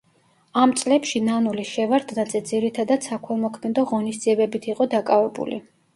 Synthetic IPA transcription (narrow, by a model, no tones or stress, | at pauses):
amt̪sʼlɛpʃinanuliʃɛvaɾd̪natd̪zʼɛd̪ziɾit̪ʰad̪ad̪sakʰwɛlˠmɔkʰmɛd̪ɔʁɔnisd̪ziɛbɛbit̪ʰiqʼɔd̪akʼavɛbṵlḭ